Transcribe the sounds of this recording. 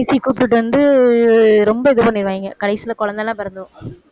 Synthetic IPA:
ɪsikuːp̬ːɪʈːɯʋɐnd̪ɯ | ɾɔmbɐɛðɯpɐnːɪɾɯʋaːjɪŋɡɐkɐɽɐɪsilɐkɔɭɐnd̪ɐlːãːpɛɾɐnd̪ɯʋõ

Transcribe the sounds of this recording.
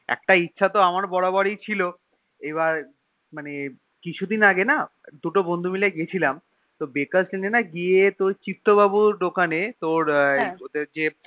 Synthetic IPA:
ɛ̰k̚ʈaitːɕʰat̪oamaɾbɔɽabaɽijt͡ɕʰilo | eβaɾ | mane | kit͡ɕʰud̪inaɡena | d̪uʈobond̪ʱumilaɡiet͡ɕʰilam | t̪obekaslenenaɡiet̪oɾt͡ɕit̪ːobabuɖokanet̪oɾod̪eɾd͡ʑe

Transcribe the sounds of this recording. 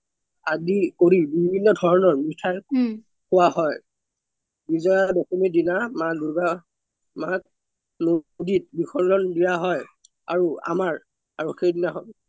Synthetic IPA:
aɡikoɹibibʱinːɔdʱɔɹnɔɹmitʰaj | kʊwaɦɔj | bizɔjabɔsɔmidinamaluɡa | mak̚ | nodit̚bixɔɹlɔndijaɦɔj | a̰ɹua̰maɹ | aɹɔkʰːedinaɦɔ

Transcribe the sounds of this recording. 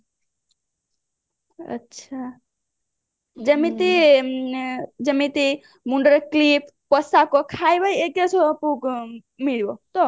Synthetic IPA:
ə̰tːʃʰa | d͡ʒəmĩt̪i | d͡ʒəmĩt̪i | muɳɖəɾklipʰ | pəsakokʰajbajekesʰopuk | miɭbot̪o

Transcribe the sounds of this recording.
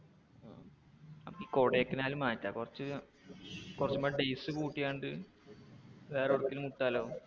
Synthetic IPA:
a̰ː | ɐ̰mɐkːiko̞ːɽejekːinaːlumːaːtːa̰kurɐt͡ɕːɨ | kurɐt͡ɕːumːaːɖejsɨkuːʈːijaːɳɖɨ | ʋeːroɽukːilumuʈːaːlo̞ː

